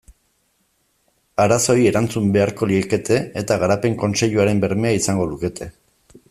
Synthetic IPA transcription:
aɾaso̞ie̞ɾant͡sumbe̞aɾko̞lieke̞t̪ʰe̞ːt̪aɣaɾape̞ŋko̞nse̞ʎuaɾe̞mbe̞ɾme̞aisaŋɡo̞luke̞t̪ʰe̞

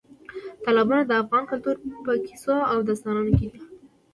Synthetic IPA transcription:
t̪ɑlɑbɑnad̪əafɣɑnkʊlt̪uɾpəki̥soawd̪ast̪ɑnɑnokid̪i

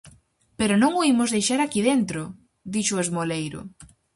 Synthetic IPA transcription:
peɾʊnõŋoimʊzðejʃaɾakiðent̪ɾʊ | d̪iʃʊezmolejɾʊ̰

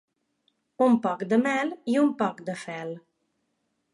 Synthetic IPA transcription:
umpɔkd̪əmɛliumpɔkd̪əfɛl

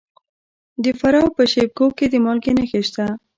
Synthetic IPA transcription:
d̪əfaɾɑwpəʃeb̚koked̪əmɑlkenaxeʃt̪a

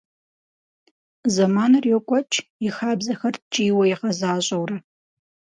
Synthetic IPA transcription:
zɐmaːnɐrjɛkʷʼɔt͡ʃʰʼjɪxaːbzɐxɐrt͡ʃʼiːwɐjɪqɐzaːɕʼɐwrɐ

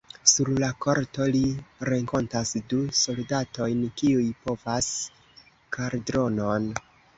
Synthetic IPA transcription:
suɾlako̞ɾto̞liɾe̞ŋko̞ntasduso̞ldato̞jnkiujpo̞vas | kʰaɾdɾo̞no̞n

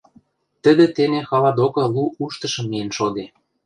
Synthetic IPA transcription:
t̪ə̆d̪ĕt̪enexɑlɑd̪okɑluuʃt̪ɤ̆ʃɤ̆mːienʃod̪e

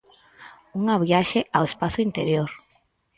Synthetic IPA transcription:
uŋaβiaʃeʔawespaθʊint̪eɾjoɾ

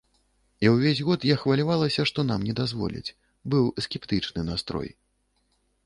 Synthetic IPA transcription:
iwvʲezʲɣɔt̪jaxvɐlʲavalˠɐsʲɐʂt̪ɔn̪amnʲɛd̪azvɔ̰lʲḭt͡sʲ | bɨwsʲkʲɛpt̪ɨt͡ʂnɨnast̪ɾɔ̰j

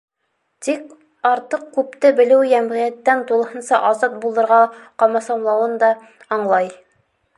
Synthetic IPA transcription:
t̪ik | ɑɾt̪ɤq̚kʉp̚t̪ɘbɘ̆lɘwjæmʁijæt̪ːænt̪ulˠɤ̆hɤ̆nsɑʔɑzɑt̪̚bulˠɤ̆ɾʁɑqɑmɑsɑmlˠɑwɤnd̪ɑ | ɑɴlˠɑj

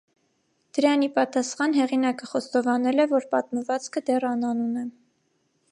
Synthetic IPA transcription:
d̪̥əɾɑnipɑt̪ɑsχɑnɦɛʁinɑkəχɔst̪ɔvɑnɛlɛvɔɾpɑt̪məvɑt͡skʰəd̪ɛrɑnɑnunɛ

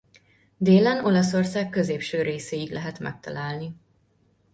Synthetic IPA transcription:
d̪eːlɛno̞lɒso̞rsaːkkːø̞zeːpʃøːɾeːseːiɡlʔɛɦɛt̪mɛ̰k̚t̪ɒ̰laːlni

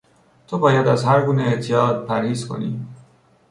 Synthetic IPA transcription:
t̪ʰobɒːjad̪azhaɾɡunet̪ʰijɒd̪̚pʰæɾhizkʰo̰nḭ

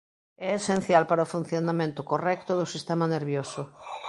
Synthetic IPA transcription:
ɛesẽn̟θjalpaɾaofun̟θjonamẽnt̪ʊkorɛk̚t̪ʊðʊsist̪emaneɾβjoso

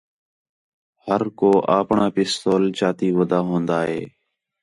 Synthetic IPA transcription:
həɾkoːʔaːpɳãːpɪst̪oːlt͡ʃaːt̪iːʋəd̪aːɦõːnd̪aːɦḛː

